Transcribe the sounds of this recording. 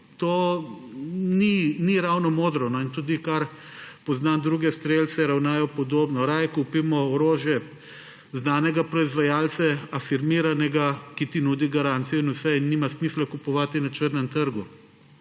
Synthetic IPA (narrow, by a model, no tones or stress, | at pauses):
t̪oː | niniɾawnɔmoːd̪ɾɔnɔint̪uːd̪ikaɾ | pɔznand̪ɾuːɡɛst̪ɾeːlt̪sɛɾawnaːjɔpɔd̪oːbnɔɾajkuːpimɔoɾoːʒjɛ | znaːnɛɡapɾɔizʋajaːlt̪sɛafiɾmiɾanɛɡakit̪inuːd̪iɡaɾant̪sijɔinusɛinːiːmasmislakupɔʋaːt̪inat͡ʃəɾnɛmt̪əɾɡu